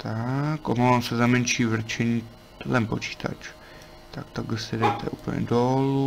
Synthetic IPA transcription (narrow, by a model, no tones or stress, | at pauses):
t̪akʔomavamsɛzamɛnt͡ʃiːvr̩t͡ʃɛɲi | t̪ɛlɛmpot͡ʃi̥ːt̪ʰa̰t͡ʃ | t̪ak̚t̪aɡlɛsɛdɛt̪ʰɛ̰ʔuːplɲɛ̰dolu